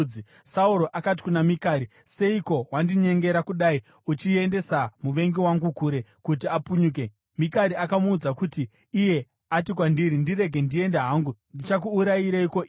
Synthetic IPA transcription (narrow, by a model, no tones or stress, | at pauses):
i | sauɾo̞ʔakat̬i̥kunamikaːɾi | se̞iko̞wandiɲe̞ŋɡe̞ɾakuɗai | ut͡ʃie̞nde̞samuʋe̞ŋɡiwaŋɡukuɾe̞kut̬iapuɲuːk̬e̞ | mikaɾiakamuːd͡zakutiː | je̞ | atikwandiɾindire̞ɡʱe̞ndie̞ndaɦaːŋɡundit͡ʃak̬uːɾaiɾaiko̞i